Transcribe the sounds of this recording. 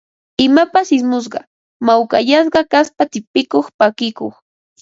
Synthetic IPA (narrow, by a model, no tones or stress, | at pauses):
ɪmapasɪsmʊs̬ɢɑ̰ | mawka̰ʎas̬ɢɑkaspat̪ɪpɪkoχpakɪkoχ